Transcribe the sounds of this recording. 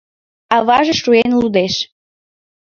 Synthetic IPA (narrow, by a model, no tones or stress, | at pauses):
ɑβɑʒeʃuenlud̪eʃ